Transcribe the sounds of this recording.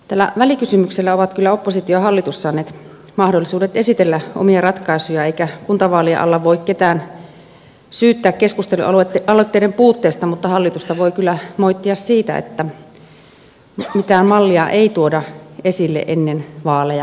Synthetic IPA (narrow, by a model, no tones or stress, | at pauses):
t̪æːlːæ̰ʋælikysymykselːæoʋɑt̪kylːæopːosit̪ioɑhɑlːit̪usːɑːnːeːt̪ | mɑhdolːˑisuːdet̪esit̪elːæʔo̰miɑrɑt̪kɑisujɑeikækunt̪ɑʋɑːliɑ̰ʔɑ̰lːɑʋʋoikket̪æːn | syːt̪ːæːkkeskust̪elṵɑlɑlot̪ːeidempuːt̪ːeːst̪ɑmut̪ːɑhɑlːit̪ust̪ɑʋoikylːæmoit̪ːiɑssiːt̪æ̰ḛt̪ːæ | mit̪æːmmɑlːiɑʔeit̪uodɑesilːḛʔenːenʋɑːlejɑ